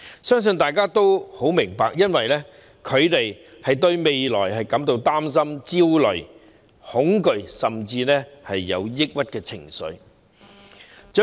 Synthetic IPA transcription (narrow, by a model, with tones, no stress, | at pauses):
sœː˥ŋs̬ɵ˧nt̪aː˨jkaː˥t̪o˥who˨˥wmɪ˨˩ŋpaː˨k̚jɐ˥nwɐ˨jlɛː˥ | kʰɵ˨˧ɥt̪e˨j | hɐ˨jt̪̬ɵ˧ɥme˨jlɔ̰ː˨˩jɦɐ˨jkɐ˨˥mt̪o˧wt̪aː˥ms̬ɐ˥mt͡siː˥wlɵ˨˩ɥ | hʊ˨˥ŋkɵ˨˧ɥsɐ˨mt͡siː˧nɛː˥hɐ˨jːɐ̰˨˧wjɪ˥k̚wɐ˥t̚kɛː˧t͡sʰɪ˨˩ŋsɵ̰˨˧ɥ | t͡ʃː